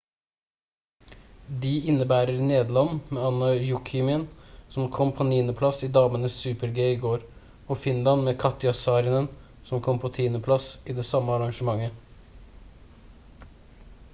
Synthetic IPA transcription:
d̪iːɪnːəbæːɾəɾneːd̪lɑnmeːɑnːəjʊkʰɪmɪənsɔmkʰɔmpʰoːniːnəpʰlɑsiːd̪ɑːmənəssʉːpəɾɡeiːɡoːɾ | oːfɪnlɑnmeːkʰɑt̪ɪɑsɑːɾənən | sɔmkʰɔmpʰoːt̪ʰiːnəpʰlɑsiːd̪ɛːsɑməɑɾɑŋʃəmɑŋːə

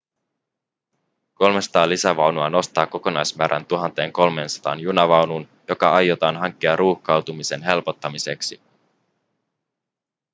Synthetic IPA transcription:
ko̞lmesɑ̥t̪ɑːlisæʋɑwnuɑno̞st̪ɑːko̞ko̞nɑjsmæːɾʔæ̰nt̪uɦɑnt̪e̞ːŋko̞lme̞ːnsɑ̥t̪ɑ̰ːnjunɑʋɑwnun | jo̞kɑɑjːo̞t̪ɑːnɦɑŋk̟ːiɑrʔuːhkɑwt̪umise̞nɦe̞lpo̞t̪ːɑmise̞ksi

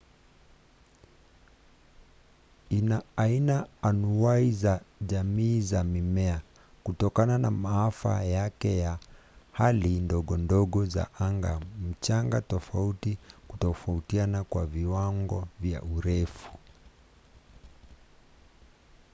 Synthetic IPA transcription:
inaːinaːnuaizaʄamiːzamimɛa | kutɔkananamaafa̰jakɛja | halindɔɠɔndɔɠɔza̰ʔaŋɡam̩t͡ʃaŋɡatɔfautikutɔfautianakwaviwaŋɡɔvja̰ʔuɾɛfu̥

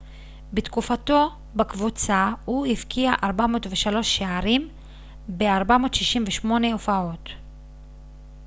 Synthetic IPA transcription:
betkufato̞ | bakvut͡sahuhifkʰiaʔaʁbamo̞ːtveʃalo̞ʃːeaʁim | beaʁbamo̞ːtʃiʃimveʃmo̞ne̞ofao̞t

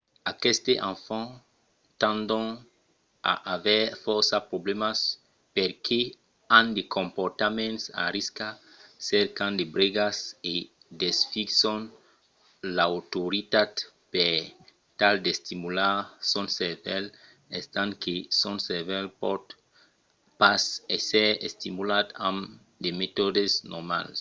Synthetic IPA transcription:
akest̪eʔãfã | t̪ãnd̪õn | a̰ʔavɛɾfɔɾsapɾoblemas | peɾkʰe | ãnd̪ekʰõmpoɾt̪amẽnt̪sa̰ɾiska | sɛɾkãnd̪ebɾeɡase | d̪esfiksõn | lawt̪oɾit̪at̪ | peɾ | t̪ald̪est̪imulasonsevɛl | est̪aŋkesonsevɛlpot̪ | paseseɾḛst̪imulat̪ãm | d̪emet̪od̪esnoɾma̰ls

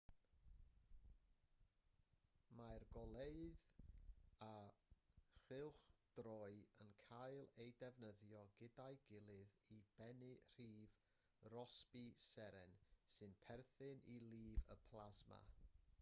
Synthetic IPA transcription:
majrɡɔlˠeɨð | a | χɪlˠχd̥rɔɨənkʰajlˠejdɛvnəðjɔɡɪdaɨɡɪlˠɨðib̥ɛnɨr̥iːv | rɔspisɛɾɛnsɨnpʰɛrθɨnilˠiːvəpʰl̥ˠazma̰

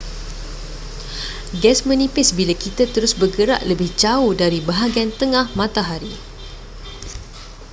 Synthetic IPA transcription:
ɡɛsmə̃nĩpɪsbilakit̪at̪əɾʊsbəɡəɾa̰ʔləbɪht͡ʃaudaɾibaɦaɡiant̪əŋãhmãt̪aɦaɾi

